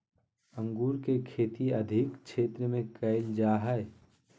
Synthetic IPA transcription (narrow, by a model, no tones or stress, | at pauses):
ə̃ŋɡuːɾkekʰeːt̪iɐd̪ʱɪkt͡ʃʰeːt̪ɾəmẽkəɪld͡ʒaːɦɛe